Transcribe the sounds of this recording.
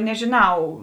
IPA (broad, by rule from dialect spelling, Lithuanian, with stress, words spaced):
nʲɛʒʲɪˈnɐʊ